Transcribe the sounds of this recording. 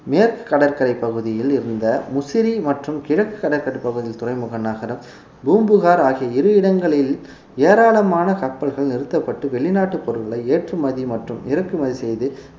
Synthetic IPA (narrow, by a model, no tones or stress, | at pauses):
meːɾkɯ̥kːɐɽɐɾkɐɾɐɪpːɐɣɯðɪjɪlɪɾɯnd̪ɐmʊsɪɾimɐʈrɯmkɪɻɐkːɯ̥kːɐɽɐɾkɐɽɐɪpːɐɣɯðɪjɪlt̪ʊrɐɪmɯɣɐnːaːɣɐɾɐm | buːmbɯɣaːɾaːɣɪjɐɪɾɯɪɽɐŋɡɐɭɪl | eːɾaːɭɐmaːnɐkɐpːɐɭɣɐɭnɪɾɯt̪ːɐpːɐʈːɯʋɛɭɪnaːʈːɯpːɔɾɯɭɣɐɭɐɪeːʈrɯmɐðimɐʈrɯmɪɾɐkːɯmɐðisɛjðɯ